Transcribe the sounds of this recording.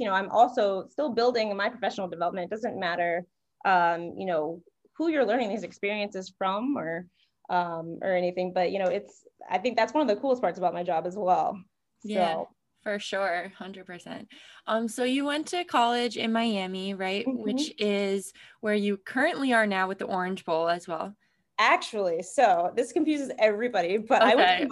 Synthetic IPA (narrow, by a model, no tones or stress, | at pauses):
jɨnoʊãɪ̃mʔɔlˠsoʊstɪlˠbɪlˠdɪ̃ŋmaɪpʰɹ̥əfɛʃn̩l̩ˠdɨvɛlˠəp̚mɨ̃n̚d̥ʌzɨ̃nmæɾə˞ | ʔʌ̃mjɨ̰noʊ | hujə˞lɜ̃˞ñɪ̃ŋðizɨkspɪɹiɨ̃nsɨz̥fɹʌ̃mə˞ | ʔʌ̃mʔə̰˞ɛñiθɪ̃ŋbʌʔ̚jɨñoʊɨtsa̰ɪθɪ̃ŋk̚ðætswʌ̃nʌvðɨkʰulˠəstpʰɑɹtsəbaʊt̚maɪd͡ʒɑbɨzwɛ̰lˠ | sjo | fə˞ʃʊɹhʌ̃ndɹɨd̚pʰə˞sɛ̰̃nt̚ʔʌ̃msoʊjɨwɛ̃ntʰɨkʰɑlˠɪd͡ʒɪ̰̃nmaɪæmiɹaɪt̚wɪt͡ʃɪzwə˞jɨkʰɜ˞ɨ̃nʔliə˞naʊwɨðiʔɔɹɨ̃nd͡ʒbʊlˠəzwɛ̰lˠ | æk̚t͡ʃul̩ˠisoʊðɪskɨ̃ɱfjʉzɨzɛvɹibɑɾib̥ʌɾaɪw